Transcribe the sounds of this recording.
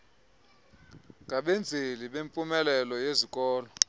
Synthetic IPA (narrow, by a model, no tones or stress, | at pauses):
ŋʱaɓend͡zʱeliɓempʼumɛlɛlɔjezikʼɔːlɔ